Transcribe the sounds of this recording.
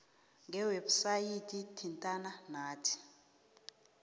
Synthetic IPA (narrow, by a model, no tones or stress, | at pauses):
ŋɡɛwebusajitʼitʰintʼananaːtʰi̥